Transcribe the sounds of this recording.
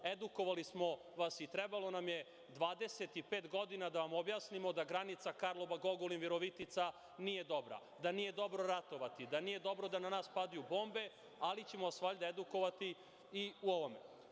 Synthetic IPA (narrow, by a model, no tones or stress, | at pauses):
ed̪uko̞ʋalismo̞ | ʋasit̪ɾebalˠo̞namje̞ | d̪ʋaːd̪eset̪ipe̞ːt̪ɡo̞d̪inad̪aʋamobjaːsnimo̞d̪aɡɾanit̪sakaɾlˠo̞ʋaɡo̞ɡolinʋiɾoʋit̪it̪sa | nije̞d̪o̞bɾa̰ | d̪anije̞d̪o̞bɾo̞ɾat̪o̞ʋat̪id̪anijed̪o̞bɾo̞d̪ananaːspad̪ajubo̞ːmbe̞ | alit͡ɕe̞moasʋaːʎd̪aed̪uko̞ʋat̪iː | uoʋomḛ